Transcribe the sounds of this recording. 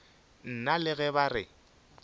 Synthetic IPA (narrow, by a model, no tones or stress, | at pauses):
n̩nalɪɣɛbarɪ